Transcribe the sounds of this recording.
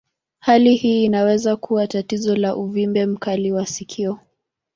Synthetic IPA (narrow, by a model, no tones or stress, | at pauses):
halihiːnawɛzakʰuwatatizɔlaʔuvimbɛm̩kaliwasikʰiɔ